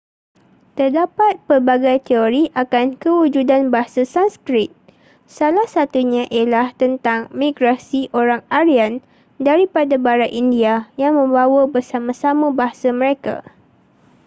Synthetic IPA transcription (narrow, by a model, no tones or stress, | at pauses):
t̪ərdapat̪̚pərbaɡajt̪eoɾiʔakankəwud͡ʒudanbaɦasasanskɾit̪̚ | salahsat̪uɲãʔijalaht̪ənt̪aŋmĩɡɾasiʔoɾaŋaɾian | daɾipadabaɾatʔindiajaŋmə̃mbawəbərsamãsamãbaɦasamə̃ɾeka̰